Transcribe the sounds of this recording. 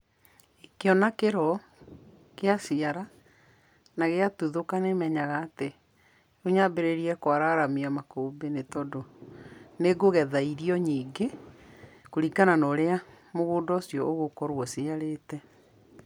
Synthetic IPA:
ekeɔnakeɾɔ | keasiaɾa | naɣeatuðokanemɛɲaɣaːte | oɲabeɾeɾiɛkwaɾaɾamiamakoːbenetɔdo | neɡoɣɛðaiɾiɔɲiːɡe | koɾikananɔɾea | moɣoːndɔsjɔʔoɣokɔɾwɔsiaɾeːtɛ

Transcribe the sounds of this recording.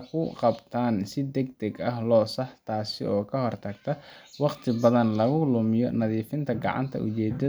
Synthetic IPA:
kʰʊqɑbt̪ʰaːnsɪd̪ɛɡd̪ɛɡɐɦlɔːsɑħt̪ʰaːsɪ̰ɔːkʰɐɦɔrt̪ʰɐɡ̚t̪ʰɐwɑqt̪ʰɪbɐðɐnlɐɣʊlʊmɪjɔnɐðiːfɪnt̪ʰɐɡɑ̰ʕɑ̰nt̪ʰɐ̰ʔʊ̰t͡ʃɛːd̪ɐ

